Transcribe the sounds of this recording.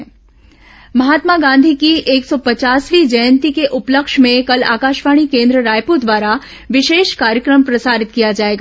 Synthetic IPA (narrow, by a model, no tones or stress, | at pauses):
məɦat̪maɡãnd̪ʱikiʔeksɔpət͡ʃasʋid͡ʒəjənt̪ikeʔʊpləkʃmẽkəla̰kaʃʋaɽ̃ikẽnd̪ɾəɾajpud̪ʋaɾa | ʋɪʃeʃkaɾjəkɾəmpɾəsaɾɪt̪̚kijad͡ʒaeɡa